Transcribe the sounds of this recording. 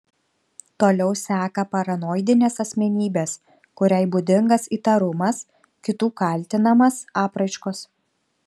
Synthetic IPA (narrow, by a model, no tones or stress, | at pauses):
t̪oːlʲɛʊsʲæːkɐpɐɾɐnoːɪd̪ʲɪnʲeːsɐsʲmʲɛnʲiːbʲeːs | kʊɾʲæˑɪbʊd̪ʲɪŋɡɐsiːt̪ɐɾʊmɐs | kʲɪt̪uːkɐlʲˑt̪ʲɪnɐmɐsɑːpɾɐɪʃkoːs